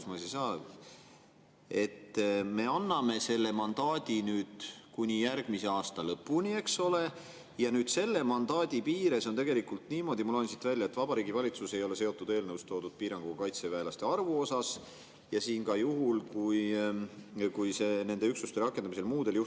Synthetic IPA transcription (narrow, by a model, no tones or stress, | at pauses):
smɑsisɑː | e̞t̪ːme̞ɑnːɑme̞se̞lːe̞mɑnd̪ɑːd̪̥ʲinyːd̪̥kunʲijærɡ̥mise̞ɑːst̪ɑlɤpːˑunʲie̞kso̞le̞ | jɑnyːd̪̥se̞lːe̞mɑnd̪ɑːd̪̥ʲipiːɾe̞so̞nt̪e̞ɡe̞likult̪niːmo̞d̪imulɑjnsit̪ːvælʲːjɑet̪ːvɑb̥ɑɾiːɡivɑlʲit̪suse̞jo̞le̞se̞o̞t̪ːud̪̥e̞ːlnɤwst̪o̞ːd̪ud̪̥̚piːɾɑŋɡ̥uɡ̥ɑkɑjt̪se̞væːlɑst̪e̞ɑrvuo̞sɑs | jɑsiːnkɑjuɦulkuj | kujse̞ne̞nd̪e̞yksust̪e̞ɾɑkːˑend̪ɑmise̞lmuːd̪̥e̞ljuh